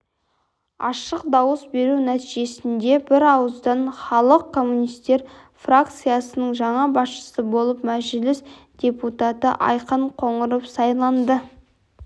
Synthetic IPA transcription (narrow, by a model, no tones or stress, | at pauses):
ɑ̰ʃəqd̪ɑwəsbe̞ɾunæt̪iʒe̞sɪnd̪e̞bɪɾɑwəzd̪ɑnχɑlˠəq̚kʰːo̞mːunijst̪e̞ɾ | frak̚t̪sɨjasənəɴʒɑɴɑbɑsʃə̥səbo̞lˠəp̚mæʒɪlɪsd̪̥ʲe̞put̪at̪əʔɑ̰jqəɴqʰo̞ɴəɾəpsɑjlˠɑnd̪ə